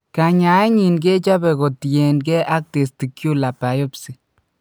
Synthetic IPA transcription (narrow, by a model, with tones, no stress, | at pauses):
ka˧ɲa˨˦e˦ɲi˨nɡe˦t͡ʃa˦be˧ɡo˨t̪je˨nɡe˦ʔa˦k̚t̪e˨st̪i˨kju˦la˨pa˨jo˦psi˨